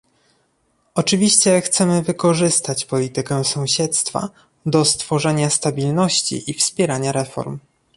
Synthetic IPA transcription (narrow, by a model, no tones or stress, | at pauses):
ɔt͡ʂɘvʲiɕt͡ɕɛxt̪sɛmɘvɘkɔʐɘst̪at͡ɕpɔlʲit̪ɘkɛsɔ̃w̃ɕɛt̪st̪fa̰ | d̪ɔst̪fɔʐɛɲast̪abʲilnɔɕt͡ɕḭʔifspʲjɛɾaɲaɾɛfɔ̰ɾm